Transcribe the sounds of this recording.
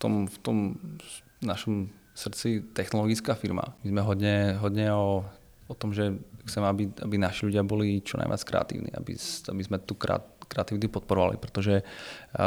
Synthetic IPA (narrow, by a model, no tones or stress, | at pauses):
ft̪ɔmft̪ɔm | naʃɔm | sr̩t͡sit̪ɛxnɔlɔɡit͡skaːfiɾma̰mizmɛɦɔdɲɛɦɔd̪ɲɛɔ | ɔt̪ɔmʒɛxt͡sɛmɛabiabinaʃiʎuɟɪabɔlit͡ʃɔna̰jʋɪa̰t͡skɾɛ̰a̰t̪ḭːʊnḭːa̰bḭsabizmɛt̪ukɛ̰kɾɛat̪iʋit̪̬upɔt̪̚pɔɾɔʋa̰lḭpɾɛt̪ɔʒɛ